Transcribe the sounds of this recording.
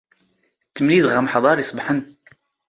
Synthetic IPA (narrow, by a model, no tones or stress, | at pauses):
t̪ːəmliðʁaməħðˤɑɾˤjəsˤbħən